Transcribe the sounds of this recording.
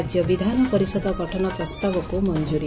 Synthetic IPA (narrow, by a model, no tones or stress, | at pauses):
d͡ʒjɔbid̪ʱanɔpɔɾisɔd̪ʱɔɡɔʈʰɔnɔpɾɔst̪abɔkumɔnd͡ʒuɾi